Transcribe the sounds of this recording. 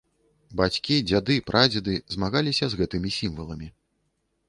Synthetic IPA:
bat͡sʲkʲid͡zʲad̪ɨpɾʔad͡zʲɛd̪ɨzmaɣalʲisʲɐzɣɛt̪ɨmʲisʲimvɐlˠɐmʲi

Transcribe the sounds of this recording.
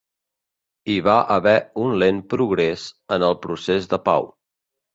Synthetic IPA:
iβaʔəβɛunlenpɾuɣɾezənəlˠpɾusezðəpa̰w

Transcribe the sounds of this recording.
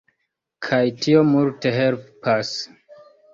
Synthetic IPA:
kʰajtʰio̞multe̞ɦelpas

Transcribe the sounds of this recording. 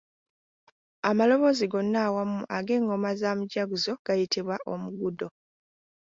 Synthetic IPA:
amalo̞βo̞ziɡo̞nːaːwamuʔaɡe̞ːŋɡo̞mazaːmuɟaɡuzo̞ɡ̥ajitiβwaʔo̞muɡudo̞

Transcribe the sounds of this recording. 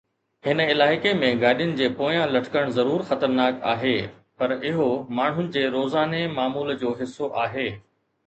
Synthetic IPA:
hɪnɪlaːɪkemẽɡaːɗjʊnɪ̆d͡ʑeːpoːjãlɐʈʰɪ̥kəɽ̃zɐɾuːɾxɐt̪əɾnaːka̰ːɦeː | pɐɾɪɦomaːɳ̤ɦʊnɪ̆d͡ʑeːɾoːzaːnemaːmuːld͡ʑoːɦɪsːoʔaːɦeː

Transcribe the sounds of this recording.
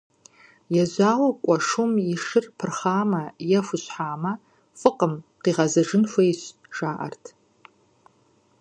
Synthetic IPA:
jaʒaːwakʷʼɐʂumiʂɨrpʰɨrχaːmɐjɐfʷʊɕħaːmɐ | fɨqʼəmqiːʁɐzɐʐɨnfʷejɕ | ʒ̥aːʔɐ̰rtʰ

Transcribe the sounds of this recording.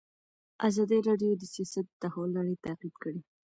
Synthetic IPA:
ʔazɑd̪iɾɑɖijod̪əsijɑsat̪̚d̪ahɑlːaɽet̪aqid̪kəɽi

